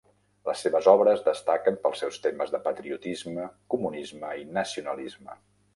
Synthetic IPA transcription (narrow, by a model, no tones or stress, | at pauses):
ləsːeβəzɔβɾəzd̪əst̪akəmpəlˠsɛwst̪eməzðəpət̪ɾiut̪izməkumunizməinəsiunəlizmə